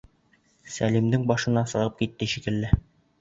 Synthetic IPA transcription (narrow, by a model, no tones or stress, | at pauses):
sælimd̪ɘŋbɒʃɤ̆nɑsɤ̆ʁɤp̚kit̪ːɘʃikɘ̆lːɘ